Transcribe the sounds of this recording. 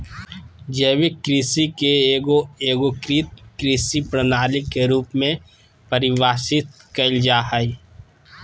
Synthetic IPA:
d͡ʒəɪʋɪkkɾisikeoeːɡokɾiːt̪̚kɾiːsipɾənaːlɪkːeɾuːpmẽ | pɐɾɪʋaːsɪt̪̚kɐɪld͡ʒaːɦəi

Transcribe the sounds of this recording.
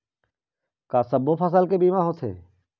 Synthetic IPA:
kaːsəbːopʰəs̬alkebiːmãɦoːt̪ʰɦḛː

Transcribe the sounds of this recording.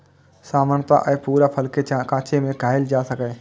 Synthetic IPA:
saːmaːnət̪a̰ʔəepuːɾapʰəlkeakãːt͡ʃemẽɡʱaːɪld͡ʒaːsəkɛ̃ː

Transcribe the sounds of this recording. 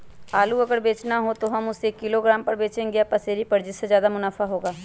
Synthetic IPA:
aːluəɡəɾbeːt͡ʃnaɦoːt̪oːɦəmʊsekːɪloːɡɾaːmpəɾbeːt͡ʃẽːɡeaːpəseːɾipəɾd͡ʒɪsːezjaːd̪aːmʊnaːfʰaːɦoːɡaː

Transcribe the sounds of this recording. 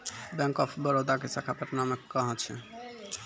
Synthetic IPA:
bɛŋkɔpʰbɔɾod̪aɡesakʰapeɾnamɛkːɔɦat͡ɕʰḛ

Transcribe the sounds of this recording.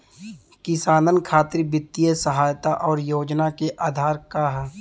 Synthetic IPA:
kɪsaːnənkʰaːt̪ɾibɪt̪ːijəsəɦaːjt̪aʔɔːɾjoːd͡ʒnakeʔaːd̪ʱaːɾkaɦɛː

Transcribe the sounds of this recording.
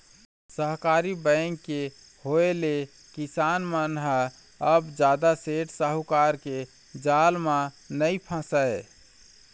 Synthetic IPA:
səɦkaɾibə̃ŋɡke | hoele | kisanmənɦə | əbd͡ʒad̪aseʈsəɦukaɾke | d͡ʒalmã | nəipʰə̃səe

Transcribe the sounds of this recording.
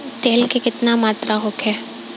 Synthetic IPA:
t̪eːlkekɪt̪namaːt̪ɾʔaɦokɛː

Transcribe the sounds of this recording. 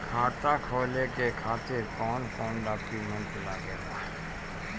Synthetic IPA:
kʰaːt̪akʰoːlekekʰaːt̪ɪɾkɔːnkɔːnɖaːkjumɛ̃ɳʈlaːkɛːɾa̰ːɦ

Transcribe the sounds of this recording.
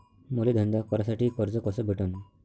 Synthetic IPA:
moled̪ʱənd̪akɔɾasaʈiːkɔɾd͡zɔkɔsɔbʱiʈon

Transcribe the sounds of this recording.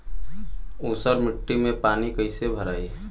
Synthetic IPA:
oːsəɾmɪʈːimẽpaːnikəɪsebʱəɾaːi

